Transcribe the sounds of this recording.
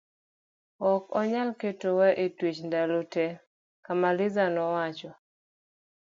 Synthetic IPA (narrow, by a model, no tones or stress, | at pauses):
ɔkɔɲalketowɛʔetwit͡ʃndalotɛ | kamalɪzanɔwat͡ʃɔ